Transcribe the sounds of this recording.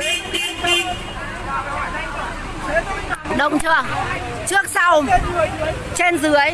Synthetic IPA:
ɗə̰˧˨wŋ͡mt͡ɕəː˧˩ŋ | t͡ɕɨ˦˥ək̚sa˧w | t͡ɕe˧nzɨ˨˦əj

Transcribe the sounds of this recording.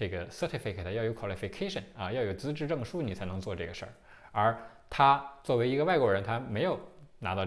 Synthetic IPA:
ʈ͡ʂɤ˥˩ɡə˩sɤ˥˧˥t̪ʰi˥˩fi˧˩kʰt̪ʰə˧jɑ˥˩ʊjo˧˥kʰwɑ˨˩li˧˩fi˧kʰe˥ɪʂə̰˧˩nɐ˧jɑ˥˩jo˨˩ʊt͡sɹ̩˥ʈ͡ʂɻ̩˥˧ʈ͡ʂɤ˥˩ŋʂu˥ni˨˩t͡sʰa˧˥ɪnɤ˧˥ŋt͡swɔ˥˧ʈ͡ʂɤ˥˩ɡə˩ʂə̰˥˩ | ə˞˧˥ | t̪ʰa˥t͡swɔ˥˩we˧˥ɪi˧˥ɡə˧wa˥˩ɪkwɔ˧˥ɻə˧˥nt̪ʰa˥me˧˥ɪjo˨˩ʊna˧˥t̪ɑ˥˧ʊ

